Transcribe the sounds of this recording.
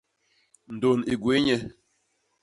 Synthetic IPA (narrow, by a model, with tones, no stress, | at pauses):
n̩˨do˨ni˨ɡwe˨˦ɲɛ˦